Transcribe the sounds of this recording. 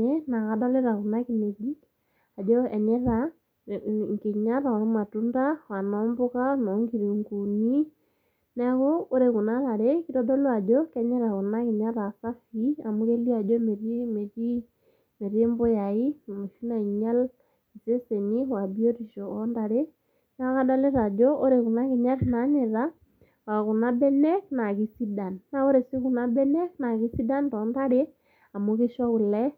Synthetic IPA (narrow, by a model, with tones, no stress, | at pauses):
e˦na˨ka˦da˦le˦ɾa˨ku˨na˦kine˨di˦k | a˨dɔ˦ɛ˨ɲɛ˦ɾa | ŋke˨ɲa˦ɾa˨o˨ɾe˦ma˨tu˦nda˦wa˨nɔː˦mbo˦ka˦nɔ˨ŋɡi˨ɾi˨ŋɡu˨ni˦ | na˦ɣoː˦ɾe˨ɣu˨naɾa˨ɾe˦kiɾɔ˦do˦lo˦a˨dɔ˦kɛ˦ɲɛ˦ɾa˨ɣu˨na˦ki˨ɲa˦ɾa˨ka˦fi˦a˨mu˦ɣe˦li˦a˨do˦me˨ɾme˨t͡ʃi˦ | me˨ɾe˦mbʊ˦ja˨i˦˨mo˨ʃu˦na˨ɲa˦l | i˨se˦se˨ni˦wa˨bi˦o˦ɾi˨ʃo˨ɔ˦nda˨ɾe˦ | na˦ka˦da˦le˦ɾa˨d͡ʒo˦ʔo˦ɾe˨ku˨na˦ki˨ɲa˦tna˨˦ɲe˨ɾa˦ | wa˨ku˨na˦bɛ˦nɛ˦k̚na˨ki˦si˦da˨nːa˦o˦ɾe˨si˦ku˨na˦bɛ˦nɛ˦kna˨ki˦si˦da˦ntɔ˨˦nda˦ɾe˦ | a˨mu˦ke˦ʃɔ˦u˨lɛ˦